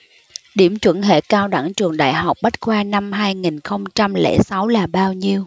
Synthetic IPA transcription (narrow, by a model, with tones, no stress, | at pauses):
ɗi˧˩əmt͡ɕwə̰˧˥nɦḛ˧˨kaː˧wɗa˧˩ŋt͡ɕɨ˨˩əŋɗa̰ː˧˨jɦa˨˩wk͡p̚ɓa˦˥t̚kwaː˧na˧mɦaː˧jŋi˨˩nxə˧wŋ͡mt͡ɕa˧mlɛ̰˧˥sa˨˦wlaː˨˩ɓaː˧wɲi˧əw